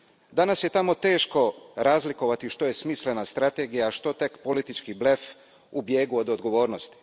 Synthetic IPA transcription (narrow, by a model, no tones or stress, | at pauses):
d̪anasjet̪amo̞t̪e̞ːʃko̞ɾaːzliko̞ʋat̪iʃt̪o̞je̞smiːsle̞nast̪ɾat̪e̞ɡijaʃt̪o̞t̪e̞kpo̞lit̪it͡ʃkible̞f | ubje̞ːɡuo̞d̪od̪ɡo̞ʋo̞ːɾnost̪i̥